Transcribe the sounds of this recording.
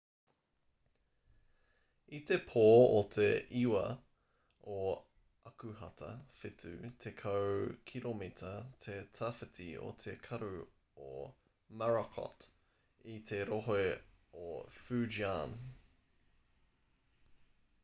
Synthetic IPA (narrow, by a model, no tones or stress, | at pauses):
it̪epʰoːot̪ʰeʔiwɐ | o | ɐkʉɦɐt̪ʰɐ̰fɪt̪ʰʉ̰t̪ʰekʰɐwkʰiɾomit̪ʰɐt̪ʰet̪ʰɐfɐtʰḭo̰t̪ʰekʰɐɾʉ | o | maɹɐkʰɔ̰t | it̪ʰeɾoɦoeofʉd͡ʒian